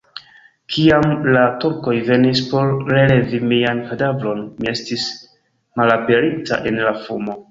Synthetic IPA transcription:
kʰiamlatuɾko̞jve̞nispo̞ɾɾe̞le̞vimiankadavɾo̞nmie̞stis | malape̞ɾita̰ʔe̞nlafumo̞

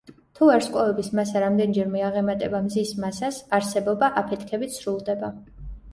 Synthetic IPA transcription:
t̪ʰuɛɾsqʼavɛbismasaɾamd̪ɛnd͡ʒɛɾmɛaʁɛmat̪ʼɛbamzismasasaɾsɛbɔbaʔapʰɛt̪ʰkʰɛbit̪sɾulˠd̪ɛba

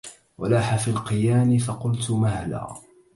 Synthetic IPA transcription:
wa̰laːħafiːlqɨjaːmɪfɑqʊlt̪ʊmahla̰ː

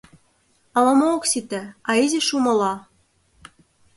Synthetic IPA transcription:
ɑlɑmooksit̪ɘ̆ɑiziʃumɤ̆lɑ

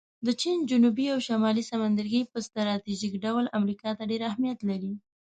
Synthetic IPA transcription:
d̪ət͡ʃind͡ʒʊnubiawʃamɑlisamand̪aɾɡəjpəst̪aɾɑt̪iʒikɖawlamɾikɑt̪aɖeɾahmijat̪laɾi

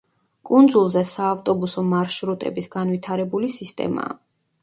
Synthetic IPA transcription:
kʼund̪zulˠzɛsaːft̪ʼɔbusɔmaɾʃɾut̪ʼɛ̰bisɡ̥anvit̪ʰaɾɛbulisist̪ʼɛ̰ma̰ː

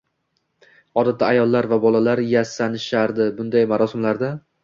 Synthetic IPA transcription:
hɒd̪at̪ːaajɒlˠːaɾvabɒlˠalaɾjasanɪʃaɾd̪ɪbʊnd̪ajmaɾɒsɪmlaɾd̪a

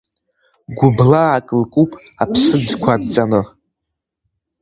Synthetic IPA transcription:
ɡʷʊblaːkʼɨlkʼupʼ | apʰsɨd͡zkʷʰadt͡sʼanɨ

